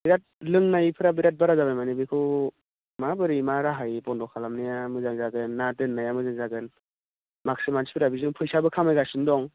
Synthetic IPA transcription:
biɾat̚lɯŋnajpʰɯɾabiɾat̚baɾazabajmanibikʰɯ | mabɯɾimaɾaɦajpɔndɔkʰalamnajamɯzaŋzaɡɯnːatɯnːajamɯzaŋzaɡɯn | mak̚simansi̥pʰiɾabizɯŋpʰɯjsabɯkʰamajɡasɯndɔŋ

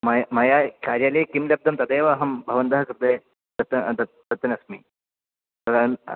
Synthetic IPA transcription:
mɐjmɐjakaɾjalekimlɐb̚d̪ɐmt̪ɐd̪eːʋaːɦɐmbʱɐʋɐnd̪ɐɦɐkɾd̪e | d̪ɐt̪d̪ɐ | d̪ɐt̪ːɐnɐsmiː | t̪ɐɾɐn

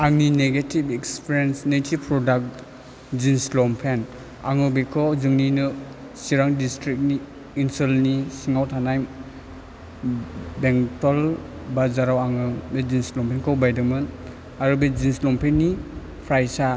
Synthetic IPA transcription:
aŋnineɡetibekspiɾensnetʰipʰɾɔdak̚ | zinslɔmpʰen | a̰ŋɯbekʰɔwzɯŋninɯ | siɾaŋdistɾik̚niː | nsulnisiŋawtʰanajm | beŋtɔl | bazaɾawaŋɯbezinslɔmpʰenkʰɔwbajdɯmɯn | aɾubed͡ʒinslɔmpʰenːi | pʰɾajsa

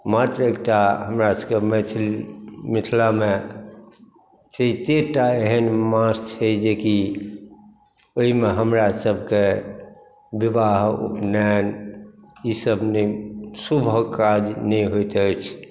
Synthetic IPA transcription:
mat̪ɾekʈaɦəmɾaskemit̪ʰlmit̪ʰlame | t͡ʃeit̪eʈaeɦənmãst͡ʃʰɛd͡ʒeki | oimeɦəmɾasəbʱke | biʋaɦṵpnɛn | isəbʱnəsubʱkad͡ʒnɛiɦojt̪ət͡ʃʰ

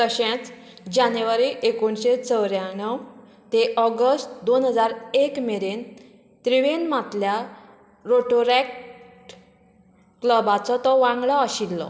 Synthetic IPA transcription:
t̪əɕẽt͡s | d͡ʑanjuʋaɾiʔekoɳɕet͡səwɾjanəw | t̪eʔɔɡəsʈd̪onɦəd͡zaɾekmeɾen | t̪ɾiʋenmat̪lja | ɾoʈoɾɛkʈ | kləbat͡sɔt̪ɔʋãŋɡɭaːɕilːɔ̰

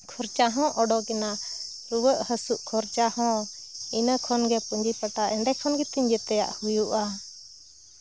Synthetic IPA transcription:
kʰɔɾt͡ʃaɦɔ̃ʔɔɖɔkɛna | ɾuwəʔhəsuʔkʰɔɾt͡ʃahɔ̃inəkʰɔnɡɛpuɲd͡ʒipəʈaʔɛɳɖɛkʰɔnɡɛt̪iɲd͡ʒɛt̪ɛja̰ʔhujuʔa

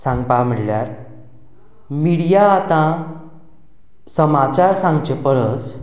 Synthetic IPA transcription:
sãŋɡpam̤əɽljaɾ | miɽijaːt̪ã | səmat͡ɕaɾsãŋɡt͡ɕepəɾət͡s

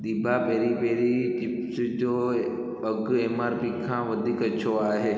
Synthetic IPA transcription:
ɗ̪iːbʱapeːɾipeːɾit͡ʃɪpsd͡ʑoː | ɐɡeːmaːɾpikʰãːʋɐd̪ʱiːkɐt͡ɕʰoaːɦeː

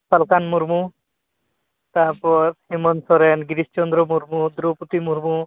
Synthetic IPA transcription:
salkanmuɾmu | t̪aɾpɔɾhimɔnsɔɾenɡiɾist͡ʃɔnd̪ɾɔmuɾmud̪ɾoput̪imuɾmu

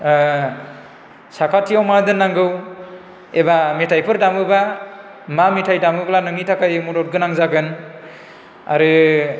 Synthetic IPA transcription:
sakʰatʰiawmadɯnːaŋɡɯw | ebametʰajpʰɯɾdamɯba | mametʰajdamɯɡlanɯŋitʰakajmudɔt̚ɡɯnaŋzaɡɯn | a̰ɾɯ

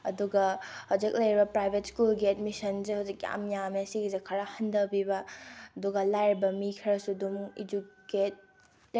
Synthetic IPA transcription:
ɐduɡɐhɐd͡ʒɐk̚lɐjɾibɐpɾajbʱet̚skulɡiɛd̚misɐnzehɐwzik̚ːa̰mjameɐsiɡizɐkʰɐɾahɐndɐbibɐɐduɡɐlajɾbɐmikʰɐɾɐsudumḭdukket̚

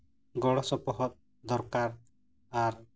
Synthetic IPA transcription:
ɡɔɽɔsɔpɔɦɔt̪̚ | d̪ɔɾkaɾ | aɾ

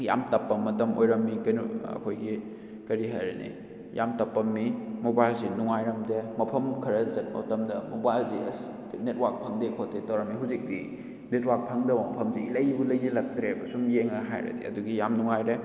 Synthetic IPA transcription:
ja̰mtɐpːɐmɐtɐmo̰jɾɐmːikɐnɐ̰kʰojɡi | kɐɾiɦajɾenḭ | ja̰mtɐpːɐmːimobajlzinuŋajɾɐmdemɐpʰɐmkʰɐɾɐzɐt̚mɐ̰tɐmdɐmobajlziɐ̰s | net̚wak̚pʰɐŋdekʰotːetɐwɾɐmːiɦuzik̚di | net̚wak̚pʰɐŋdɐbmɐpʰɐmzeilɐjbulɐjzilɐk̚tɾebɐsumjeŋɐɦa̰jɾɐ̰dḭɐ̰duɡijamnuŋajɾe

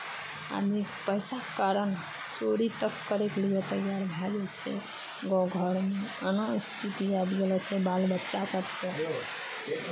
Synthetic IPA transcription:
a̰d̪i | pəjsakaɾən | t͡ʃoɾit̪əkːəɾeklijot̪əjaɾbʱɛd͡ʒɛt͡ʃʰɛ̰ | ɡɔ̃ɡʱəɾmeənost̪ʰit̪iabɡelɛt͡ʃʰɛbalbətːʃasəbke̥

